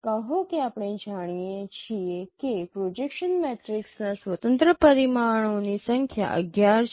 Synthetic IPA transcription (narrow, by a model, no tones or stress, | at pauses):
kəɦokiapɽ̃ẽd͡ʑaɽ̃ijẽt͡ɕijekepɾod͡ʑekʃənmɛʈɾiksnasʋət̪ənt̪ɾəpəɾimaɳ̃onisəŋkʰja̰ʔə̰ɡjaɾ